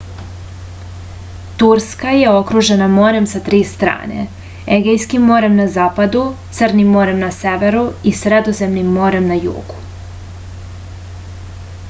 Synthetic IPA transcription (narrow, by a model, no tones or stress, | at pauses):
t̪uɾskaje̞o̞kɾuʒe̞namo̞ːɾe̞msat̪ɾiːst̪ɾa̰ːne̞̰ | eɡejskimːo̞ːɾe̞mnazaːpad̪ut̪sərnimːo̞ːɾe̞mnaseʋe̞ɾuisɾed̪o̞ze̞mnimːo̞ːɾe̞mnajṵːɡu̥